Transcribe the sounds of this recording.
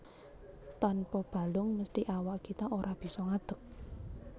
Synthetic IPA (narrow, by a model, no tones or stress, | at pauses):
t̪anpɔb̥a̤lʊŋməst̪iʔawaʔkit̪aʔoɾab̥i̤sɔŋad̪̥ə̤k̚